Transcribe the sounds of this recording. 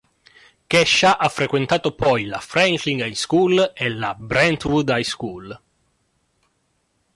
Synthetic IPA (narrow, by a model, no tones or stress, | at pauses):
kɛʃːaʔafːɾekwent̪aːt̪opɔjlafɾɛŋkliŋɡajskulelabɾɛnt̪vud̪ajskul